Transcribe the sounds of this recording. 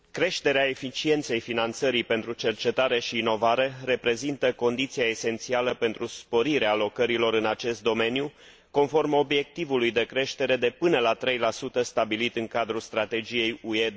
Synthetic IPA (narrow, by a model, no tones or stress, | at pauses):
kɾe̞ʃt̪e̞ɾeae̞fit͡ʃie̞nt̪se̞jfinant̪səɾipe̞nt̪ɾut͡ʃe̞rt͡ʃe̞t̪aɾe̞ʃiːno̞vaɾe̞re̞pɾe̞zint̪əko̞nd̪it̪siaese̞nt̪sialəpe̞nt̪ɾuspo̞ɾiɾeaːlo̞kəɾilo̞ɾɨnat͡ʃe̞st̪̚d̪o̞me̞nju | ko̞nfo̞rmo̞bje̞k̚t̪ivulujd̪e̞kɾe̞ʃt̪e̞ɾe̞d̪e̞pɨnəlat̪ɾe̞jlasut̪əst̪abilit̪ɨŋkad̪ɾulst̪ɾat̪e̞d͡ʒije̞jue